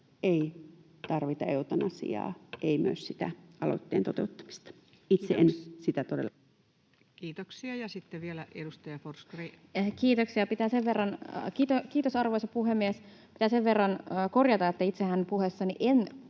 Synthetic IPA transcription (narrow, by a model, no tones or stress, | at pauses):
ei | t̪ɑrʋit̪ɑeut̪ɑnɑsḭɑ̰ːʔeimyø̰ssit̪æ̰ɑlo̰t̪ːḛːnt̪ot̪eut̪ːɑ̥mi̥st̪ɑ̥ | it̪seʔensit̪æt̪odḛl | kiːt̪oksiɑjɑsit̪ːeʋielæʔedust̪ɑjɑforskri | kiːt̪oksiɑpit̪æːseʋʋerːɑnkiːt̪okiːt̪osɑrʋoisɑpuɦemːiespit̪æːseʋʋerːɑnːkorjɑt̪ɑet̪ːæit̪sehænpuhesːɑniʔen